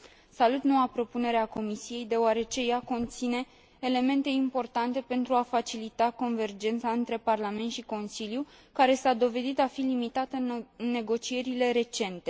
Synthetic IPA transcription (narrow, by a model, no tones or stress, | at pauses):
salut̪no̞wapɾo̞pune̞ɾeako̞misije̞jd̪e̞oaɾe̞t͡ʃe̞jako̞nt̪sine̞ː | le̞mẽ̞nt̪e̞impo̞rt̪ant̪e̞pe̞nt̪ɾuafat͡ʃilit̪ako̞nve̞rd͡ʒe̞nt̪saɨnt̪ɾe̞parlame̞nt̪ʃiko̞nsiljukaɾe̞sad̪o̞ve̞d̪it̪afilimit̪at̪əɨnːe̞ɡo̞t͡ʃije̞ɾile̞ɾe̞t͡ʃe̞nt̪e̞